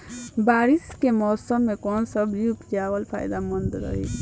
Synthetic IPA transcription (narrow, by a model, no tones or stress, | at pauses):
baɾiskemɔsəmːekɔnsəbiupd͡ʒabəlpʰa̰jd̪amənd̪ɾə̰ɦḭ